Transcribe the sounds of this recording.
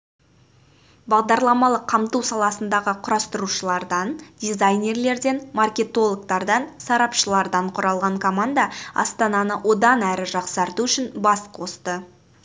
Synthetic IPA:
bɑʁd̪ɑɾlˠɑmɑlˠəqʰːɑmt̪uwsɑlˠɑsənd̪ɑʁəqʰʊɾɑst̪əɾuʃəlˠɑɾd̪ɑnd̪̥ʲizajnʲe̞rle̞ɾd̪e̞nmarkʲe̞t̪o̞lˠok̚t̪ɑɾd̪ɑnsɑɾɑpʃəlˠɑɾd̪ɑɴqʰʊɾɑlˠʁɑɴkʰo̞mand̪ɑɑ̰st̪ɑnɑnəwʔo̞d̪ɑnæɾɪʒɑqsɑɾt̪uʏʃɪnbɑskʰo̞st̪ə

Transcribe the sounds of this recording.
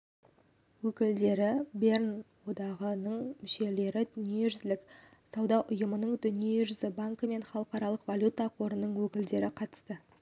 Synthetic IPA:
wɵkʲɪld̪e̞ɾɪbe̞rnwo̞d̪ɑʁənəɴmʏʃe̞le̞ɾɪd̪ʏnjeɾʏzlɪk | sɑwd̪ɑʔʊjəmənəɴd̪ʏnijeʏɾʏzɪbaŋkəme̞nχɑlˠəqɑɾɑlˠəqvalʲjut̪aqʰo̞ɾənːəɴwɵkʲɪld̪e̞ɾɪqʰɑt̪ə̥st̪ə

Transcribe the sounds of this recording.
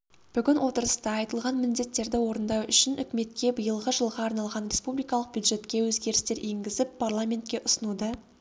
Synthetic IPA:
b̥ʏɡʲɪnwo̞t̪əɾəst̪ɑɑjt̪əlˠʁɑnmɪnd̪e̞t̪ːe̞ɾd̪ɪwo̞ɾənd̪ɑwʏʃɪnʏkʲɪme̞t̪̚kʲe̞bəjəlˠʁəʒəlˠʁɑːɾnɑlˠʁɑnɾʲe̞spublijkɑlˠəq̚bjud̪ʒe̞t̪kʲe̞wɵzɡʲe̞ɾɪst̪e̞ɾeŋɡʲɪzɪpʰːarlˠamʲe̞nt̪̚kʲe̞ʔʊsənud̪ə

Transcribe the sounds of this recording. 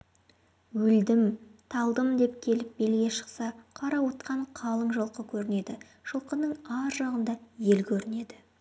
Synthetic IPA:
wʏld̪ɪmt̪ʰɑlˠd̪əmd̪e̞p̚kʲʰe̞lɪp̚be̞lɡʲe̞ʃə̥qsɑqʰɑɾɑwot̪̚qɑɴqʰɑlˠəɴʒəlˠqəkʲʰɵɾɪne̞d̪ɪ | ʒ̥əlˠqənəɴɑɾʒɑʁənd̪ɑje̞lkʲʰɵɾɪne̞d̪ɪ

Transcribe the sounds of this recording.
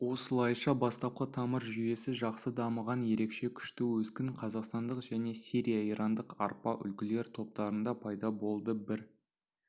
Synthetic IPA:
wo̞səlˠɑjʃɑbɑst̪ɑp̚qət̪ʰɑməɾʒʏje̞sɪʒɑqsəd̪ɑməʁɑnje̞ɾe̞kʃe̞kʲʰʏ̥ʃt̪ɪwɵzkʲɪŋqʰɑzɑqst̪ɑnd̪əqʒæne̞siɾʲijaiɾʔɑnd̪əqɑ̰ɾpɑʔʏ̰lkʲɪle̞ɾt̪ʰo̞p̚t̪ɑɾənd̪ɑpʰɑjd̪ɑbo̞lˠd̪əbɪɾ

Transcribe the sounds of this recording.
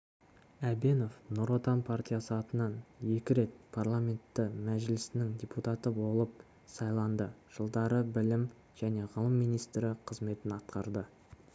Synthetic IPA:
æbe̞no̞fnʊɾo̞t̪ɑnpʰart̪ʲijasəɑt̪ənɑnje̞kʲɪɾe̞t̪̚pʰarlˠamʲe̞nt̪ːɪmæʒɪlɪsɪnɪŋd̪ʲeput̪at̪əbo̞lˠəp̚ | sɑjlˠɑnd̪əʒ̥əlˠd̪ɑɾəbɪlɪm | ʒ̥æne̞ʁəlˠəmːijnijst̪ɾɪqʰəzme̞t̪ɪnɑt̪̚qɑɾd̪ə

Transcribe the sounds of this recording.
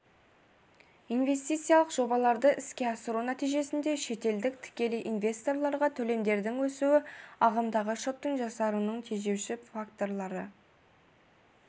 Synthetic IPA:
inve̞st̪ijt̪sɨjalˠəqʒ̥o̞bɑlˠɑɾd̪əʔɪskʲe̞ɑsəɾunæt̪ijʒe̞sɪnd̪e̞ʃe̞t̪e̞ld̪ɪk̚t̪ʰɪ̥kʲe̞lɪʔinvʲe̞st̪o̞ɾlˠɑɾʁɑt̪ʰɵle̞md̪e̞ɾd̪ɪŋwɵsuɪɑʁɑmd̪ɑʁəʃot̪ːəɴʒɑsɑɾənəɴt̪ʰeʒe̞wʃɪfakt̪o̞ɾlˠɑɾə

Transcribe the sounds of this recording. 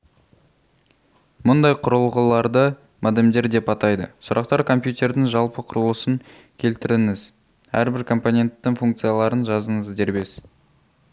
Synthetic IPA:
mʊnd̪ɑjqʰʊɾəlˠʁəlˠɑɾd̪ə | mæd̪emd̪e̞ɾd̪e̞pɑt̪ɑjd̪ə̰sʊɾɑq̚t̪ɑɾkʰo̞mpjut̪e̞ɾd̪ɪŋʒɑlˠpəqʰʊɾəlˠəsəŋ | kʲʰe̞lt̪ɪɾɪŋɪz | æ̰ɾbɪɾkʰo̞mponʲe̞nt̪ːɪŋfuŋk̚t̪sɨjɑlˠɑɾənʒɑzəɴəzd̪e̞ɾbe̞s

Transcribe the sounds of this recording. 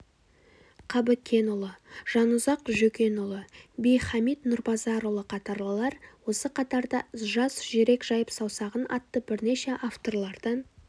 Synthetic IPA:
qʰɑbɪkʲʰːe̞nʊlˠəʒ̥ɑnʊzɑqʒɵkʲe̞nʊlˠəbejχɑmit̪nʊɾbɑzɑɾolˠəqʰɑt̪ɑɾlˠəlˠɑɾwo̞səqʰɑt̪ɑɾd̪ɑʒɑsʒeɾe̞kʒ̥ɑjəpsɑwsɑʁənɑ̰t̪ːəbɪɾne̞ʃe̞ʔaft̪o̞rlˠɑɾd̪ɑn

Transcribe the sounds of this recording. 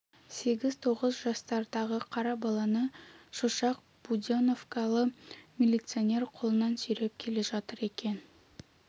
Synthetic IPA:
se̞ɡʲɪzt̪ʰo̞ʁəzʒɑst̪ɑɾd̪ɑʁəqʰɑɾɑbɑlˠɑnəʃoʃɑq̚ | b̥ud̪ʲono̞fkɑlˠəmʲilʲit̪sɨonʲe̞ɾqʰo̞lˠənɑnsɵjɾep̚kʲʰe̞le̞ʒɑt̪əɾe̞kʲe̞n

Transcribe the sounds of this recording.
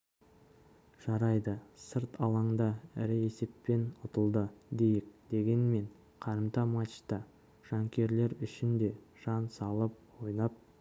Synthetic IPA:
ʒ̥ɑɾɑjd̪əsəɾt̪ʰɑlˠɑɴd̪ɑɪɾɪe̞se̞pːe̞nʊt̪əlˠd̪əd̪e̞jɪk̚d̪̥e̞ɡʲe̞nme̞ɴ | qʰɑɾəmt̪ɑmɑt͡ʃt̪ɑ | ʒ̥ɑŋkʲe̞ɾle̞ɾʏʃɪnd̪e̞ | ʒ̥ɑnsɑlˠəp̚wo̞jnɑp̚

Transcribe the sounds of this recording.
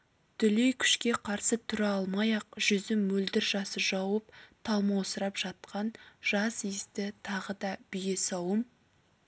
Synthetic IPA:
t̪ʰʏlejkʲʰʏ̥ʃkʲe̞qʰɑɾsət̪ʰʏɾɑlˠmɑjɑq̚ʒ̥ʏzɪmːɵld̪ɪɾʒɑsəʒɑwəpt̪ʰɑlˠmɑosəɾɑpʒ̥ɑt̪̚qɑnʒ̥ɑsist̪ɪt̪ʰɑʁəd̪ɑb̥ɪjesɑwəm

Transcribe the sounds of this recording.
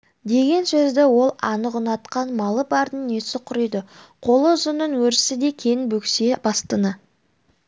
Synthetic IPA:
d̪e̞ɡʲe̞nsɵzd̪ɪwo̞lˠɑnəʁʊnɑt̪qɑnmɑlˠəbɑɾd̪ənesɪqʰʊɾəjd̪əqʰo̞lˠəzənənwɵɾɪsɪd̪e̞kʲʰejɪnbɵksebɑst̪ənə

